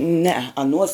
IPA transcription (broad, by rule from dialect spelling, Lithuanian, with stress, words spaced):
nʲɛɛ ɐˈnuɔs